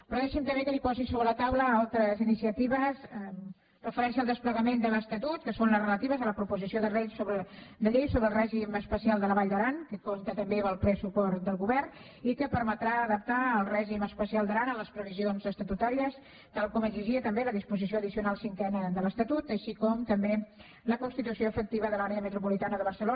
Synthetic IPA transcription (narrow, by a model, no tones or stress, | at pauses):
pɾoðɛʃimt̪əmek̪əɾipɔzisoβɾələt̪awləalˠt̪ɾəzinisiət̪iβəzəm | rəfəɾɛnsiəlˠd̪əspləɣəmend̪ələst̪ət̪ut̪̚kəsonləzrələt̪iβəzələpɾupuzisioðərejsoβɾəd̪əʎejsoβɾəlˠrɛʒiməspəsialˠd̪ələβaʎd̪əɾankəkomt̪ət̪əmbeβəlˠplɛsupɔrd̪əlˠɣuβɛrn | ikəpəɾmət̪ɾaəðəp̚t̪aəlˠrɛʒiməspəsialˠd̪əɾanələspɾəβizionzəst̪ət̪ut̪aɾiəs | t̪alˠkɔməziʒiət̪əmbeləðispuzisioəðisiunalˠsiŋkɛnəðələst̪ət̪ut̪əʃikɔmt̪əmbe | ləkunst̪it̪usioəfək̚t̪iβəðəlaɾeəmət̪ɾupulit̪anəðəβ̞əɾsəlo